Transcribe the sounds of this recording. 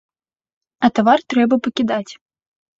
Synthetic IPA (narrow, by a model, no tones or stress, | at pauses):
ɐt̪avart̪ɾɛbɐpɐkʲid̪at͡sʲ